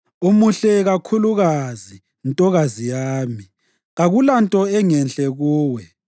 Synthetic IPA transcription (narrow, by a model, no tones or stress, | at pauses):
umuɬɛɣakʰuluɣazi | ntʼɔɣazijaːmi | ɣaɣulantʼɔɛŋɛnɬɛɣuːwɛ